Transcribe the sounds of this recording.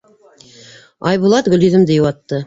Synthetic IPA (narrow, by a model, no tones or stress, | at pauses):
ɑjβulˠɑt̪ɡɵ̆liðɘ̆md̪ɘjuwɑt̪ːɤ